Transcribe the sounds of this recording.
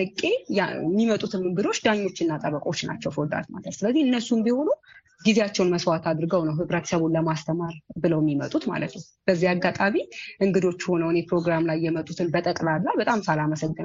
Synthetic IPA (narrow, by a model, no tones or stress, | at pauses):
ɨkʼːe̞mːimət̪ʼut̪ʰɨmɨŋɡɨd̪o̞t͡ʃːd̪aɲːo̞t͡ʃːɪnːat̪ʼəβəkʼo̞t͡ʃːna̰t͡ʃːɛwfod̪a̰t̪ma̰ləsɨləzːiɨnːəsːumbiho̞nu | ɡizeat͡ʃːɛwnməswat̪ʰad̪ɾɨɡəwnəwɦɨβɾət̪ʰə̥səβunləmast̪ʰəmaɾbɨləwmːimət̪ʼut̪ma̰lət̪nəw | b̥əzːiaɡːat̪ʼaβiʔɨŋɡɨd̪o̞t͡ʃːho̞nəwnepɾo̞ɡɾamlajːɛmət̪ʼut̪ʰɨnbət̪ʼəkʼlalːabət̪ʼamsalaməsəɡːɨn